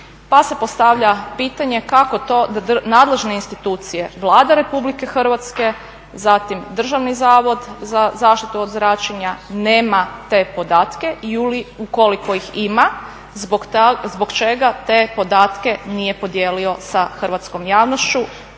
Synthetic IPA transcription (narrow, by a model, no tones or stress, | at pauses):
pase̞post̪aʋʎapiːt̪aɲe̞kako̞t̪o̞ːnaːd̪le̞ʒne̞inst̪it̪uːt̪sije̞ʋlˠaːd̪aɾe̞publikexr̩ʋat̪ske̞ | zat̪imd̪r̩ʒaʋnizaːʋo̞d̪zazaːʃt̪it̪uod̪zɾat͡ʃeɲaneːmat̪e̞ːpo̞d̪aːt̪ke̞iuliuko̞likoixima | bzboɡt͡ʃe̞ɡat̪eːpo̞d̪aːt̪ke̞nije̞po̞d̪jeːlio̞saxrʋat̪sko̞mjaːʋnost͡ʃu